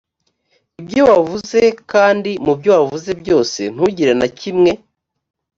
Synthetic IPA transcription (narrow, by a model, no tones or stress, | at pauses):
ibjo̞wavuzekaːndimubjo̞wavuze̞bɟo̞ːse̞̰n̥huɟiɾenacimŋe̞